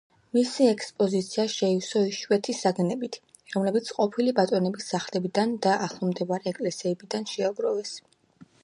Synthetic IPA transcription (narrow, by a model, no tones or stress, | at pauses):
misiɛkʰspʼɔzit̪sʰiaʃɛisɔiʃwɛt̪ʰisaɡnɛbit̪ʰ | ɾɔmlɛbit̪sʰqʼɔpʰilibat̪ʼɔnɛbisːaχlɛbid̪and̪aaχlˠɔmd̪ɛvaɾiɛkʼlɛsɛɛbid̪anʃɛaɡɾɔvɛs